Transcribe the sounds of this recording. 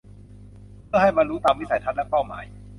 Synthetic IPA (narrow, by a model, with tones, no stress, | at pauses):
pʰɯ˥˩ha˥˩jmaː˧ɾuː˦˥t̪aː˧mwi˦˥˩sa˨˩˦jt̪ʰa˦˥lɛ˦˥pa˥˩wma̰ː˩˦j